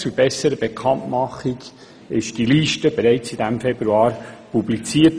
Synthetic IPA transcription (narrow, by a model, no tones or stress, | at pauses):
t͡sub̥ɛsəɾəb̥ekʰɑntmɑχiɡ | ɪʃd̥iliʃtəb̥eɾɛɪt͡sid̥æmfɛbɾuɑːɾpublit͡siːət